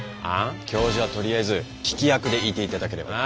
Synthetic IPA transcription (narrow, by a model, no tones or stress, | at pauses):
ãkʲo̞ːʑiβ̞at̪o̞ɾʲiaizɨ | kʲi̥kʲijakɯ̟d̪e̞it̪eit̪ad̪ake̞ɾe̞ba̰a